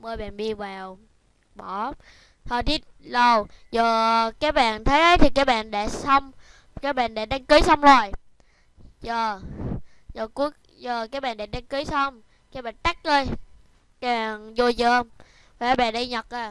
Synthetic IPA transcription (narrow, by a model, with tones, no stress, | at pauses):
məː˧jɓa̰ː˨nɗi˧əvaː˨˩w | ɓɔ˧˩ | t̪ʰəː˨˩t̪i˨˦t̚lo˨˩wzəː˨˩kaː˨˦˥k̚ɓa̰ː˧˨nt̪ʰə˨˦jʔə˨˦jt̪ʰi˨˩kaː˨˦˥j̚ɓa̰ː˧˨nɗa̰˧˥sə˧wŋ͡m | kaː˨˦jɓa̰ː˧˨nɗa̰ː˧˥ɗa˧ŋkɨ˨˦jsə˧wŋ͡mzo˨˩j | zəː˨˩ | zəː˨˩ku˨˦˥ək̚ | zəː˨˩kaː˨˥j̚ɓa̰ː˧˨nɗa̰˧˩˥ɗa˧ŋkɨ˨˦jsə˧wŋ͡m | kaː˨˦jɓa̰ː˧˨nt͡ɕ̪a˦˥k̚ʔəː˧j | kaː˨˦jɓa̰˧˨˩nzo˧zəː˧˩m | vaː˨˩˨ɓa̰ː˨˩nɗə˧jɲə˨˩k̚ʔaː˧˩